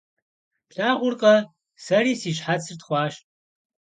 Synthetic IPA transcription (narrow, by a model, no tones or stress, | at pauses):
ɬaːʁʷʊrqʼɐ | sɐriːsiːɕħat͡sʰɨrt̪χʷɑːʃ